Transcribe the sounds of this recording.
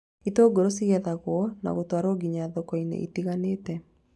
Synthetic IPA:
itoːɡoɾosiɣɛðaɣwɔna̰ɣotwaɾoɡiɲaðɔkɔinḛʔḭtiɣaneːtɛ

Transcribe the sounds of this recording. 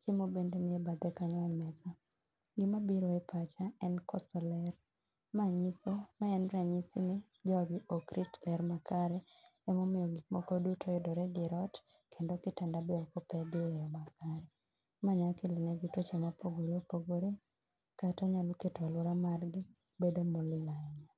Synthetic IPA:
t͡ʃɪmobendenɪɛbad̪ɛkaɲɔɔmɛsa | ɡɪmabiɾoepʰat͡ʃaɛnkɔsɔlɛr | maɲisemaɛnɾaɲisɪnɪ | d͡ʒɔɡɪʔokɾʔitlɛɾmakaɾɛ | ɛmomɪjɔɡimɔkodutʰoɪdɔɾɛdɪɾɔt | kʰendokɪtandabeɔkɔpɛdɪejɔmakaɾɛ | maɲakilɪneɡitwot͡ʃemapoɡoɾeopoɡoɾe | kataɲalɔketalɔɾamarɡɪ | bedomolɪlaɛɲa

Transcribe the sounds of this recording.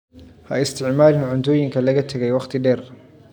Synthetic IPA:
hɐ̰ɪst̪ʰɪʕmaːlɪnʕʊnt̪ʰɔːjɪŋkʰɐlɐɣɐt̪ʰɐɣɛjwɑχt̪ʰɪɖɛːr

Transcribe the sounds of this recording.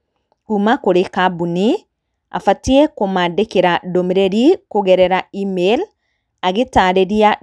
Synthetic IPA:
kumakoɾekabuni | a̰fatiekomaːdekeɾadomiɾeɾikoɣɛɾɛɾaimel | aɣetaɾeɾia

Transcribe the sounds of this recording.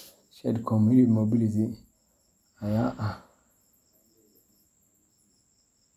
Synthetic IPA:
ʃɛdkʰɔmunitmobilit̬i | ajaʔa

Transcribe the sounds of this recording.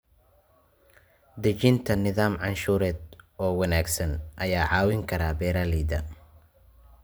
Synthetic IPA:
d̪ɐt͡ʃɪnt̪ʰɐnɪðaːmʕɑnʃuːɾɛːd̪ɔːwɐnaːɡsɐnʔɐjaːʕɑːwɪŋkʰɐɾaːbɛːɾaliːd̪ɐ

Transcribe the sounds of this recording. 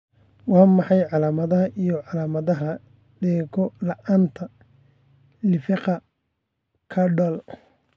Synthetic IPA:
wɑːmɑħɑjʕɑlaːmɐðɐɦɐʔijɔʕɑlaːmɐðɐɦɐ | dɛːɡɔlɐʔaːnt̪ʰɐ | lɪfɪqɑ | kʰɐɖɔːl

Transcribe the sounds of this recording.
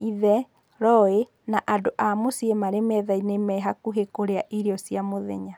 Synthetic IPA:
iðɛ | ɾɔe | naʔadoʔamosiemaɾemɛðainemɛɦakuɦekoɾeaʔiɾeɔsiamoðɛ̰ɲa

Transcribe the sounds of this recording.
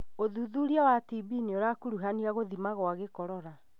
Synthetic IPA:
oðuðuɾiawatibiːneoɾakuɾuɦaniaɣoðimaɣwaɣekɔɾɔɾa

